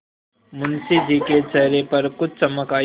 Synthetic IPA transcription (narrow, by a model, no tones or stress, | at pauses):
mʊnsid͡ʒikeːʈsɛɦɾepɐɾkʊt͡ʃʰt͡ʃɐməkaː